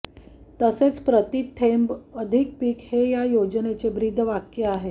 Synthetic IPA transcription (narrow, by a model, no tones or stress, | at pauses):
t̪əset͡spɾət̪it̪ʰembəd̪ʱik̚piːkhejajod͡ʑənet͡sebɾid̪ʱːʋakjəaɦe